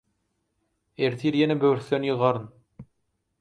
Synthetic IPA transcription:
eɾt̪ʰiɾjenebøɾθːønjɯʁɑɾɯn

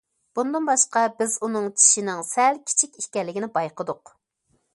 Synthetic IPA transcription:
b̥und̪ɨnbɑʃqɑbɪzunɨŋt͡ʃʰi̥ʃinɪŋsɛlkʲʰi̥t͡ʃʰikʲiʃkʲɛlːɪɡʲnɪbɑjqəd̪ʊq

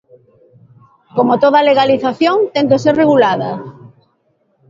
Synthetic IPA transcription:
komot̪oðaleɣ̞aliθaθjõŋt̪ent̪oseɾreɣulaðɐ

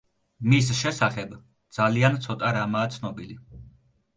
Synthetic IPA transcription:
mis̬ʃɛsaχɛb | d̪z̥aliant̪sʰɔt̪ʼaɾamaːt̪sʰnɔbili

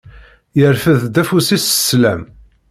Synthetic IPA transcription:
jəɾfəðd̪æfusisslæm

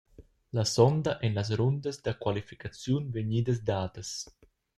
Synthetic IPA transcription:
lasɔnd̪aʔɛnlas̬ɾond̪əzd̪akwalifikat͡sjunveɲiːd̪əs̬d̪aːd̪əs

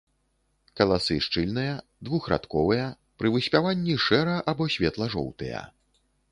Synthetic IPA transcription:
kɐlˠasɨʂt͡ʂɨlʲnɨjɐ | d̪vuxɾa̰t̪kɔvɨjɐ | pɾɨvɨsʲpʲavanʲːiʂɛɾɐʔabɔsʲvʲɛt̪lˠɐʐɔ̰wt̪ɨjɐ̰

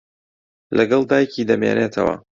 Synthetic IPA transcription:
lʔɐɡɐlˠd̪aːjciːd̪ɐmjḛːneːt̪ʰɐwɐ̰

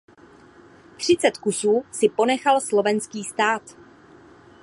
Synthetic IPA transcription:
t̪r̝̥ɪt͡sɛt̪kusuːsɪpo̞nɛxalslo̞vɛnskiːst̪aːt̪

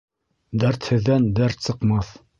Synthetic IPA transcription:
d̪æɾt̪hɘ̆ðːænd̪æɾt̪sɤ̆qmɑθ

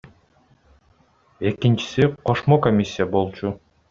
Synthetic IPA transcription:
e̞kint͡ʃi̥siqʰo̞ʃmokomʲisʲːijabo̞lˠt͡ʃu

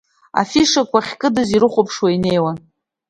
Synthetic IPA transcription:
a̰fiʂakʷʰaχʲkʼɨdɨziɾɨχʷopʰʂwaine̞jwan

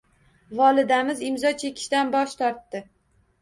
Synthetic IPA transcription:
vɒlˠɪd̪amɪzɪmzɒt͡ʃʰe̞kʲʰɪ̥ʃt̪anbɒʃt̪ʰɒɾt̪ːɪ

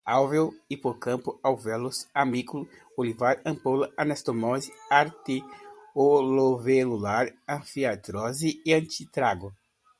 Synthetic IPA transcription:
awvewipoɾkɐ̃mpʊawvɛlʊsamikulʊ | olivaɾɐ̃mpowlɐʔanɛst̪omɔziaɾt̪iolovelulaɾɐ̃fiat̪ɾɔziiɐ̃nt͡ʃit̪ɾaɡʊ

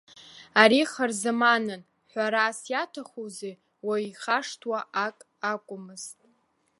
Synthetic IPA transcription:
aɾiχarzɨmanɨn | ħʷaɾaːsjatʰaχuze | waiχaʂtʰwaʔakʼ | akʷʼʊmɨz̥tʼ

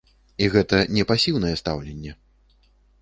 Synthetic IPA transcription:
iɣɛt̪ɐnʲɛpasʲiwnɐjɛst̪a̰wlʲɛnʲːɛ

